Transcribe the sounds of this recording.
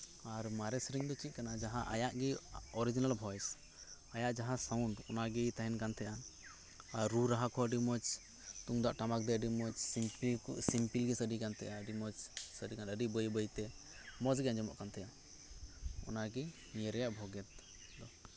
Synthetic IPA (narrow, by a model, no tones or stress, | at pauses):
aɾmaɾɛsɾiŋd̪ɔt͡ʃit̪̚kanad͡ʒaɦaʔajaʔɡiɔɾid͡ʒinalbʱɔjs | ajaʔd͡ʒaɦasawɳɖɔnaɡit̪aɦɛnkant̪ʰɛʔa | aɾɾuɾaɦakʰɔəɖimɔt͡ʃ | t̪uŋd̪aʔʈamak̚d̪ɛəɖimɔt͡ʃsipsimpilɡisəɖikant̪ɛ̰ʔaɖimɔt͡ʃsəɖikanəɖibəjbəjt̪ɛ | mɔd͡ʒɡɛnd͡ʒɔmɔ̰ʔkant̪ɛja | ɔ̰naɡi | mijɛɾɛjaʔbʱɔɡɛt̪̚ | d̪ɔ